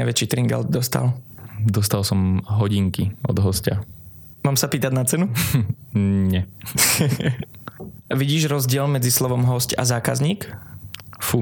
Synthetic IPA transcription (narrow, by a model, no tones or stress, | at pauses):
aɪʋɛt͡ʃiːt̪ɾiŋɡa̰ld̪̚d̪ɔst̪a̰ld̪ɔst̪alsɔmɦɔɟiŋkiɔ̰d̪ɦɔsca | maːmsapiːt̪aɟnat͡sɛnu | ɲɛ | ʋiɟiːʒɾɔzɟɪɛlmɛd͡zislɔʋɔmɦɔsca̰zaːkazɲiːk | fu